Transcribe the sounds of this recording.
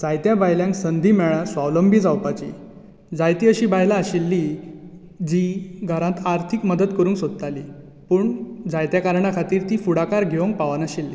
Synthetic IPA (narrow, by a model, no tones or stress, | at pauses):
d͡zajt̪jabajljãŋksənd̪ʱiːmɛɭasʋawləmbʱiːd͡zawpat͡ɕḭː | d͡zajt̪iəɕiːbaɦjlaɕilːi | d͡ʑiːɡʱəɾãt̪aɾt̪ʰikməd̪ət̪kəɾuːŋksod̪ət̪aliː | puːɳd͡zajt̪jakaɾɳakʰat̪iːɾt̪iːfuɽakaɾɡʱeʋəŋk̚paʋanəɕilːḭ